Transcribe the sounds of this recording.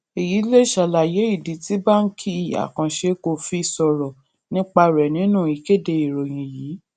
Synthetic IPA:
e˨ji˨˦le˦˨ʃa˨la˨je˨˦i˦˨di˨˦ti˦ba˦n̩˦kʰi˦˨a̰˨kã˨ʃe˧ko˧fi˦˧sɔ˧ɾɔ˨ | nĩ˦k͡pa˧ɾɛ˨nĩ˨˦nũ˦˨i˨˦ke˦˨de˧˨i˨ɾo˨j̃ĩ˨jiː˨˦

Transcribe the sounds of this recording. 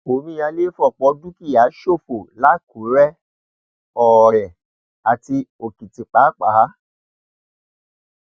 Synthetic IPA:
o˨mĩ˧˦a˧le˦fɔ˦˨k͡pɔ˧˦du˦ki˦˨ja˨˦ʃo˦˨fo˨la˦ku˨˦ɾɛ˦ | ɔ˨ɾɛ˨ | a˨ti˧o˨kĩ˨ti˨k͡pa˨˦k͡paː˨˦

